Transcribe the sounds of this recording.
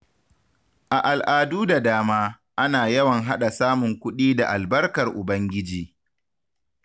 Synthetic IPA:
ʔa˨ʔa˨lʔaː˨duː˦da˨daː˦maː˦ | ʔa˦naː˨jɐ˦wɐ˨ŋɦa˦ɗa˨saː˦mʊ˨ŋkʷʊ˦ɗiː˦da˨ʔa˨lbɐ˦rkɐ˨rʔʊ˨bɐ˦ŋɡʲɪ˦d͡ʒiː˨

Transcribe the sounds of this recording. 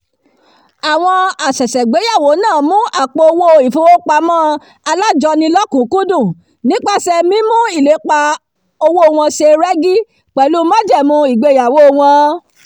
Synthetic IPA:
a˨w̃ɔ̃˧a˨sɛ˨sɛ˨ɡ͡be˨˦ja˦˨wo˨˦nãː˦˨mũ˦ʔa˦˨k͡po˧o˧wo˦˨i˨fo˦wo˦k͡pa˧mã˦ | a˧la˦d͡ʒɔ˧nĩ˧lɔ˦kũ˨˦ku˦dũ˦˨ | nĩ˨˦k͡pa˦sɛ˧mĩ˦mũ˦i˦˨le˨˦k͡pa˧ | o˧wo˦o˨w̃ɔ̃˧ʃe˧ɾɛ˦ɡi˦ | k͡pɛ˨lu˦mã˦d͡ʒɛ˦˨mũ˧i˨ɡ͡be˨˧˦ja˨wo˦˧w̃ɔ̃˧

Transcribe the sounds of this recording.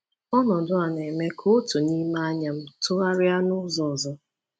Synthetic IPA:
ɔ˦nɔ˨dʊ˦a˨ne˨me˦kʰo˦tu˨ni˦ma˦ɲa˨m̩˦tʊ˦ɾa˦ɾɪ˦a˦nʊ˦zɔ˨zɔ˦

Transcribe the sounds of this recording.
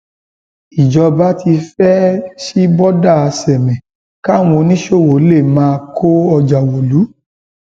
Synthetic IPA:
i˨d͡ʒɔ˧ba˨˦ti˧fɛ˦ʃi˦bɔ˦da˦˨a˧sɛ˨mɛ̃˨ | ka˦˨w̃õ˧nĩ˦ʃo˦˨wo˨˦le˦˨mãː˦˧kʰo˦ɔ˧d͡ʒa˨wo˨lu˨˦

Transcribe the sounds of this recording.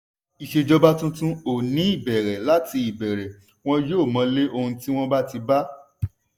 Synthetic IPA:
i˨ʃe˨d͡ʒɔ˧ba˦tũ˦tũ˦o˨nĩ˨˦i˦˨bɛ˨ɾɛ˨la˦ti˧i˨bɛ˨ɾɛ˨ | w̃ɔ̃˦joː˦˨mã˨˦le˦ʔo˧hũ˧ti˦w̃ɔ̃˦ba˦ti˧ba˦

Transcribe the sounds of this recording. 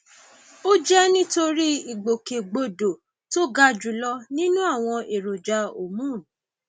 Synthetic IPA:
o˦d͡ʒɛ˦nĩ˦to˧ɾi˦i˨ɡ͡bo˨ke˨ɡ͡bo˨do˨ | to˦ɡa˧d͡ʒu˨lɔ˧nĩ˦nũ˦a˦˨w̃ɔ̃˧ʔe˨ɾo˨d͡ʒa˧˦o˨mũ˨˦˨

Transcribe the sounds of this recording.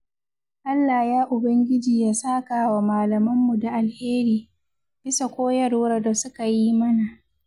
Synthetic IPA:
ʔa˦lːa˨jaː˦ʔʊ˨bɐ˦ŋɡʲɪ˦d͡ʒiː˨jaː˦saː˦kaː˨wa˨maː˨lɐ˨mɐ˦mːu˨da˨ʔa˨lheː˦ɾiː˨ | b̥ɪ˦sa˨kʷoː˦jɐ˦ɽoː˦ɾa˨da˨sʊ˦ka˨ji˦mɐ˦na˨ʔ

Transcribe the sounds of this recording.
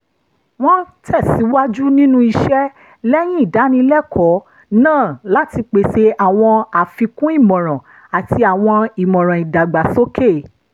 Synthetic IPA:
w̃ɔ̃˦tʰɛ˦˨si˨˦wa˦d͡ʒu˦nĩ˦nũ˦i˧ʃɛ˦ | lɛ˦j̃ĩ˦i˦˨da˨˦nĩ˧lɛ˦kɔ˨˦ | nãː˦˨la˦ti˧k͡pe˨se˧a˨w̃ɔ̃˧a˨fi˧kũ˦i˦˨mɔ̃˨ɾ̃ɔ̃˨ | a˨ti˧˦a˨w̃ɔ̃˧i˨mɔ̃˨ɾ̃ɔ̃˨i˨da˨ɡ͡ba˨so˦kʰe˦˨

